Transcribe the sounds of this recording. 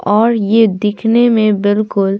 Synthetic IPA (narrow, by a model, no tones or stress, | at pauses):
ɔːɾjed̪ɪkʰnemẽbɪlkʊl